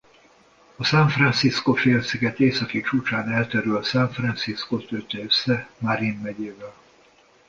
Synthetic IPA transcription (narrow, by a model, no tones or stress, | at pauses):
ɒsaɱfrɑnsiskofeːlsiɡɛt̪eːsɒkit͡ʃuːt͡ʃaːnɛlt̪ɛɾylsɛɱfrɑnsiskot̪ølt̪ɛøsːɛmaɾinːɛɟeːvɛl